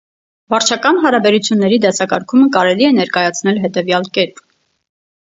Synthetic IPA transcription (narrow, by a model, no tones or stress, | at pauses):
vɑɾt͡ʃʰɑkɑnɦɑɾɑbɛɾut͡sʰjunːɛɾid̪ɛsɑkɑɾkʰuməkɑɾɛliɛnɛɾkɑjɑt͡sʰn̪ɛlɦɛt̪ɛvjɑlkɛɾp